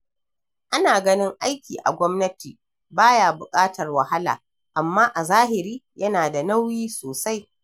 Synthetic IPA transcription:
ʔa˦naː˨ɡɐ˦nɪ˦ŋʔa˦jkʲiː˨ʔa̰˨ɡʷɔ˦mnɐ˦tḭ˨ | baː˦jaː˨bʊ˨kʼaː˦tɐ˨rwa˨ha˦la̰ː˨ | ʔa˨mːaː˦ʔa˨zaː˦ɦɪ˨ɾiː˦jɐ˦naː˨da˨na˦wjiː˦soː˨sa˦j

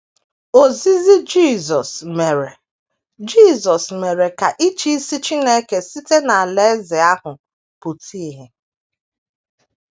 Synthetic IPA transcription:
o˨zi˦zi˦d͡ʒi˦˨zɔ˨sme˨ɾe˨ | d͡ʒi˦˨zɔ˨sme˨ɾe˨ka˨ʔi˦t͡ʃi˦si˦t͡ʃi˦ne˦ke˨si˦te˦na˨a˨le˦zɪ˨a˦hʊ˨ | pu˨tʰi˦ɦe˨

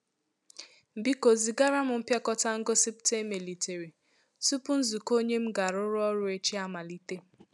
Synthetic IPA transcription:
m̩˨bi˦ko˨zi˨ɡa˦ɾa˦mʊ˨m̩˦pja˦kɔ˦ta˦ŋ̩˦ɡo˦si˦pte˦me˨li˨te˨ɾi˨ | su˦pʊ˦n̩˦zu˨ko˦ɲe˦m̩˦ɡa˨ɾʊ˦ɾʊ˦ɔ˦ɾʊ˦e˦t͡ʃi˦a˦ma˨li˦te˦

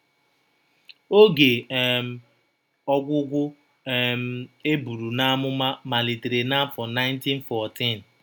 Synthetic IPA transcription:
o˦ɡe˨m˨ | ɔ˦ɡʷʊ˦ɡʷʊ˦ | m˦e˦bu˨ɾu˨na˦mʊ˦ma˦ma˨li˨te˨ɾe˨na˦fɔ˨na˦ɪ˦nti˦n̩˦fɔ˨ti˦˨n˨

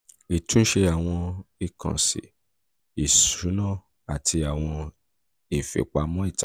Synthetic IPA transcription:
i˨tũ˨˦ʃe˧a˨w̃ɔ̃˧i˨kʰã̰˨sḭ˨ | i˨suu˨˦nã˦˨ | a˨tʰi˧a˨w̃ɔ̃˧ | i˨fḛ˨k͡pa˨˦mɔ̃˦i˦˨ta˨˦

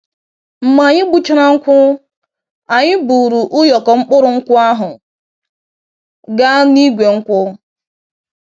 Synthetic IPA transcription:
m̩˨ma˨ɲɪ˦ɡ͡bu˦t͡ʃɪ˦ɾa˦ŋ̩˦kʷʊ˦ | a˨ɲɪ˦bu˨ɾu˨ʔʊ˦jɔ˨kɔ˨ŋ͡m̩˦k͡pʊ˦ɾʊ˨ŋ̩˦kʷʊ˦a˦ɦʊ˨ | ɡa˦ni˦ɡʷe˨ŋ̩˦kʷʊ˦

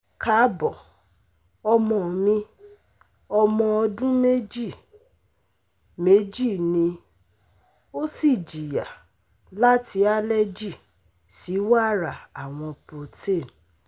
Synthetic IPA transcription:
ka˨˦bɔ˨ | ɔ˧mɔ̃˧˨mĩ˧ | ɔ˧mɔ̃˧ɔ˧dũ˦me˦d͡ʒi˦˨ | me˦d͡ʒi˦˨nĩ˧ | o˦si˦˨d͡ʒi˨ja˨ | la˦ti˧˦a˦lɛ˦d͡ʒi˦˨ | si˨˦wa˦˨ɾa˨a˨w̃ɔ̃˧po˨te˦˨n

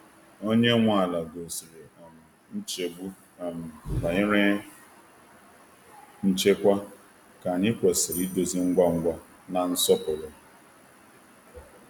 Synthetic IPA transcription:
o˦ɲe˦ŋʷa˦˨a˨la˨ɡo˨si˨ɾe˨a˨mʊ˨ | n̩˦t͡ʃe˨bu˦ | a˨m̩˨ba˨ɪ˦ɾe˦ | n̩˦t͡ʃe˦kʷa˦ | ka˨nɪ˦kʷe˨si˨ɾi˦do˨zi˦ŋ̩˦ɡʷa˦ŋ̩˦ɡʷa˦ | na˨n̩˦sɔ˦pʊ˨lɔ˨

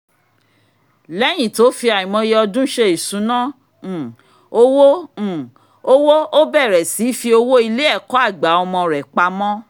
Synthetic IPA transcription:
lɛ˨˦j̃ĩ˦˨to˨˦fi˧a˨ĩ˨mɔ̃˧je˧ɔ˧dũ˦ʃe˧i˨sũ˨˦nã˦˨ | o˦wõ˦˨ | o˦wo˦o˦bɛ˦˨ɾɛ˨si˨˦fi˧˦o˧wo˦i˧le˦ɛ˦˨kɔ˨˦a˦˨ɡ͡ba˨˦ɔ˧mɔ̃˧ɾɛ˨k͡pa˧mɔ̃˦

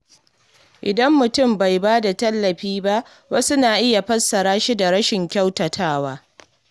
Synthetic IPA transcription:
ʔɪ˨dɐ˦mːʊ˨tʊ˦˨mba˨jbaː˦da˨tɐ˦lːɐ˨ɸiː˦ba˦ʔ | wɐ˦sʊ˦naː˨ʔɪ˦ja˨ɸɐ˦sːɐ˨ɾaː˦ʃi˦da˨ɽɐ˦ʃɪ˨ŋkʲa˦wtɐ˨tʰaː˦waː˦

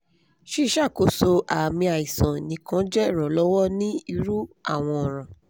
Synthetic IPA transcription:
ʃi˦˧˦ʃa˦˨ko˨˦so˧ʔa˨mĩ˧a˨i˨sã˨nĩ˨˦kã˦d͡ʒɛ˦ɾɔ˨˦lɔ˦wɔ˦nĩ˦i˧ɾu˦a˦˨w̃ɔ̃˧ɔ˨ɾ̃ã˨

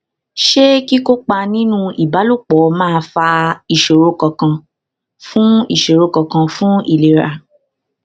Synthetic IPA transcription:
ʃe˦ki˦ko˦k͡pa˧nĩ˦nũ˦i˨ba˨˦lu˦˨k͡pɔ˨˦mãː˦˧fa˧i˨ʃo˨ɾo˨˧kɔ˨kã˧ | fũ˦i˨ʃo˨ɾo˨˧˦kɔ˨kã˧fũ˦i˨le˨ɾa˨

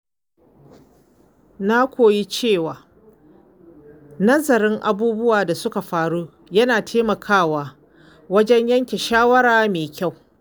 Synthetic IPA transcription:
na˦kʷoː˨ji˦t͡ʃeː˦˨waː˨ | nɐ˦zɐ˨ɾɪ˦ŋʔa̰˨buː˦bʊ˦waː˨da˨sʊ˦ka˨ɸaː˦ɽuː˦ | jɐ˦naː˨tʰeː˦mɐ˨kʰaː˦˨waː˨ | wɐ˦d͡ʒɛ˦ɲjɐ˦ŋkʲe˨ʃaː˦wɐ˦ɾaː˨meː˨kʲa˦˨w

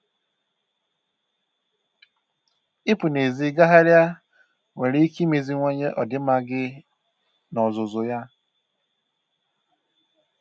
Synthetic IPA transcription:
ɪ˦pu˨ne˨zi˨˦ɡa˦ɦa˦ɾja˦ | ŋʷe˨ɾi˦i˦ki˦me˨zi˦ŋʷe˦ɲe˦ʔɔ˨dɪ˨˦ma˦ɡɪ˦ | nɔ˨zʊ˨zʊ˨ja˦

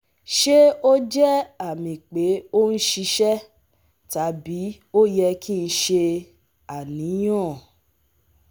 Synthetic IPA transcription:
ʃe˦o˦d͡ʒɛ˦a˦˨mĩ˨k͡pe˨˦o˦n̩˦ʃi˧ʃɛ˦ | ta˨˦bi˨˦ | o˦jɛ˧kʰi˦˧n̩˦ʃe˧ | a˨nĩ˨˦j̃ɔ̃˦˨

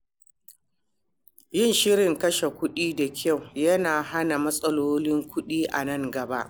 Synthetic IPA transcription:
jɪ˦˨nʃɪ˦ɾɪ˨ŋkɐ˦ʃe˨kʷʊ˦ɗiː˦da˨kʲʰa˦˨wjɐ˦naː˨ɦa˦na˨mɐ˦sʼɐ˦loː˦lɪ˦ŋkʷʊ˦ɗiː˦ʔa̰˨nɐ˦˨ŋɡɐ˨ba˦ʔ

